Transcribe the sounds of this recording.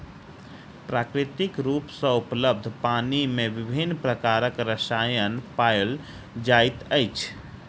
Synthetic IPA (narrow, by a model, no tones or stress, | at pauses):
pɾakɾit̪ikɾupsə̃upləb̚d̪ʱpanimeʋibʱinːpɾəkaɾəkɾəsajənpael | d͡ʒajt̪əɪt͡ʃʰ